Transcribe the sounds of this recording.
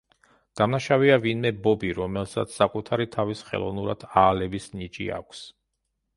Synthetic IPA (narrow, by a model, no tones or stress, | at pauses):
d̪̥amnaʃaviavinmɛbɔbiɾɔmɛlˠsa̰t̪sʰsakʼut̪ʰaɾit̪ʰavisχɛ̰lˠɔ̰vnuɾa̰d̪̥aːlɛbisnit͡ʃʼḭa̰kʷʰs